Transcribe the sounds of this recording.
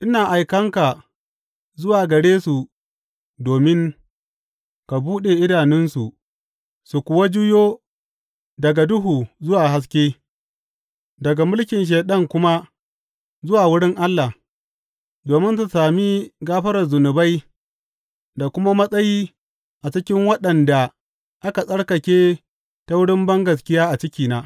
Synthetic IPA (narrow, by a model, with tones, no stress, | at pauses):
ʔɪ˦naː˨ʔa˨jkɐ˦ŋka˨ | zʊ˦waː˨ɡɐ˨ɽeː˦su˨ | doː˨mɪ˦ŋ | ka˨buː˦ɗe˨ʔɪ˦daː˨nɪ˦nsu˨ʔ | su˨kʷʊ˨wa˦d͡ʒu˦joː˦ | dɐ˨ɡa˨dʊ˦ɦuː˨zʊ˦waː˨ɦa˦s̬kʲeː˦ | dɐ˨ɡa˨mʊ˦lkʲɪ˨nʃ̬eː˨ɗɐ˦ŋkʷʊ˦ma˦ | zʊ˦waː˨wʊ˦ɽɪ˦ŋʔa˦lːa˨ | doː˨mɪ˦nta˨saː˨mi˦ɡaː˦ɸɐ˦ɾɐ˨zʊ˨nʊ˨ba˦j | da˨kʷʊ˦ma˦mɐ˦sʼɐ˦jiː˦ | ʔa˨t͡ʃɪ˦kʲɪ˦ŋwɐ˦ɗɐ˨nda˨ | ʔa˦ka˨sʼɐ˦ɽkɐ˨kʲeː˦ | ta˦wʊ˦ɽɪ˦mbɐ˦ŋɡɐ˨s̬kʲɪ˦jaː˦ʔa˨t͡ʃɪ˦kʲiː˨naː˦